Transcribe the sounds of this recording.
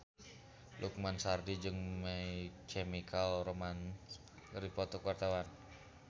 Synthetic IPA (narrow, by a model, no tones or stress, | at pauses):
lʔuk̚mansardid͡ʒɨŋmaikemikʰalroman | ɾipɔt̪ɔkuwart̪awan